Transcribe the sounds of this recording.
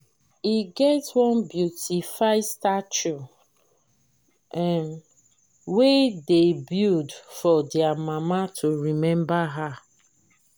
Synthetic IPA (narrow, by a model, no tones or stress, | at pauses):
iɡɛtwɔ̃nbjutifaɪstat͡ʃu | ɛn | wedebjudfɔdjamamatʰoɹimɛ̃mbaɦa